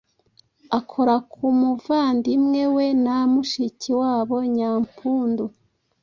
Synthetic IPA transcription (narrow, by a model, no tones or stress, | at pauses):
akʰo̞ɾakʰumuvaːndimŋe̞wenamuʃiciwaːβo̞ɲaːmpuːndu